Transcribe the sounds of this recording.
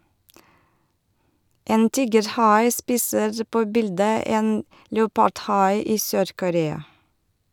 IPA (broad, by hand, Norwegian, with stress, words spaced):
ˈeːn ˈtiːɡəɾˌhɑɪ ˈspiːsəɾ ˈpoː ˈbɪldə ˈeːn ləʊˈpɑɖˌhɑɪ ˈiː ˈsøːɾkʊˌɾeːɑ